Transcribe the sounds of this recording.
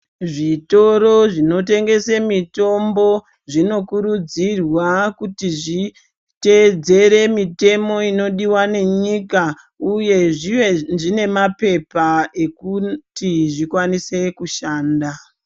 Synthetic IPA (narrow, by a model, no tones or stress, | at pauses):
ʐito̞ɾo̞ʐino̞te̞ŋɡe̞semito̞mbo̞ | ʐino̞kuɾud͡zirwakutiʐi | ted͡ze̞ɾe̞mite̞mo̞ino̞ɗiwane̞ɲika | uje̞ʐiʐine̞mape̞paekutiʐikwanise̞kuʃaːnda